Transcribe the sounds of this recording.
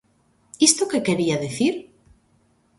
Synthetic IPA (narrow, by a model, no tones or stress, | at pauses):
ist̪okekeɾiaðeθiɾ